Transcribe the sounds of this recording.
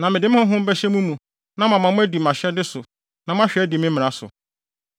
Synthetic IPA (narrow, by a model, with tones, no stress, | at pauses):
nã˨mɪ̃˨dɪ˦m˦hʊ̃˦ɦʊ̃˦m̩˦bɛ˦ɕɛ˦mũ˦mũ˨ | nã˦mã˨mã˨mʊ̃˦æ˦di˨m˨ã˨ɕɛ˦dɪ˦sʊ˨ | nã˨mʊ̃˦a˦ɕᶣɛ˨˦dɪ˨mɪ̃˦m˦mɪ̃˨ã˨sʊ̰˨